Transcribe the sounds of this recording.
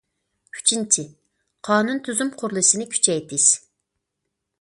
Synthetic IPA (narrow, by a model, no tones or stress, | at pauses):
kʲʰy̥t͡ʃʰint͡ʃʰɪ | qʰɑːnunt̪ʰyzymqʰʊɾlˠɨʃɪnɪkʲʰy̥t͡ʃʰɛjt̪ʰɪz̥